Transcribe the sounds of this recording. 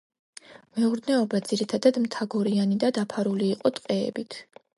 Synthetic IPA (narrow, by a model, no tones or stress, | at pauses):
mɛuɾd̪nɛɔbad̪ziɾit̪ʰad̪ad̪mt̪ʰaɡɔɾianid̪ad̪apʰaɾuliːqʼɔt̪ʼqʼɛ̰ːbit̪ʰ